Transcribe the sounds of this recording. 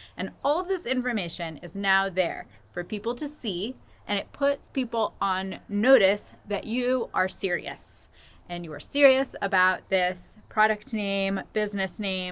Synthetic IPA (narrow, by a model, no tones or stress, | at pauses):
ʔɨ̃nɔlˠðɪsɪ̃ɱfə˞meɪʃɨ̃nɪznaʊðə̰˞fə˞pipl̩ˠtʰɨsi | ʔɨ̃ñɨt̚pʰʊtspipl̩ˠə̃nːoʊɾɨsðɨt͡ʃɨə˞sɪɹḭɨ̰s | ɨ̃njɨə̰˞sɪɹiɨsəbaʊt̪̚ðɪspʰɹ̥ɑɾɨk̚tⁿnẽɪ̃mb̥ɪznɨsnẽɪ̃